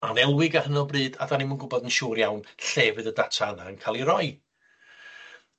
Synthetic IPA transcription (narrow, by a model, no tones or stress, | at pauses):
anɛlˠwɪɡahənɔbrɨːda̰danimənɡʊbɔðənʃuːɾjawnɬɛːvɨðədatʰaənankʰaːlˠiɾɔɨ